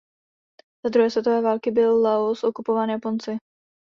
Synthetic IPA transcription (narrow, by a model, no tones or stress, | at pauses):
z̥ad̪ɾuɦɛːsvjɛt̪ovɛːvaːlkɪbɪlːaosʔo̞kupovaːnjapo̞nt͡sɪ